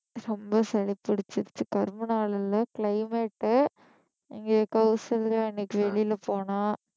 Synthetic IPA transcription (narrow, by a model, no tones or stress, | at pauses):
ɾɔmbɐsɐɭɪpːɐɽɪt͡ʃːɪɾt͡ʃːɯkɐɾmɐnaːlɐlɐkɭɐɪmeʈː | ɪŋɡeːkɐʊsɐllɐɪnːekːɯʋɛɭɪjɪlɐpoːnãː